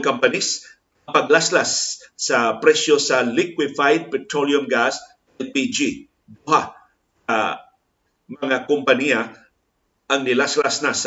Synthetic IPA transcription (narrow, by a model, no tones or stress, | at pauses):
ŋkampanis | pɐɡlaslasːɐpɾɛsjosɐlɪkwɪfajd̪̚pɛt̪ɾoljʊmɡas | ɛnpid͡ʒi | b̪uha | a | mɐŋakʊmpɐnia | ʔɐŋnɪlaslasnas